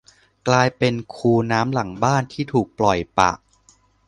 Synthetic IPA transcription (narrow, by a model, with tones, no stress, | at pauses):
klaː˧jpe˧nkʰuː˧naː˦˥mla˩˦ŋbaː˥˩nt̪ʰiː˥˩t̪ʰuː˨˩k̚plɔ˨˩jpa̰˨˩ʔ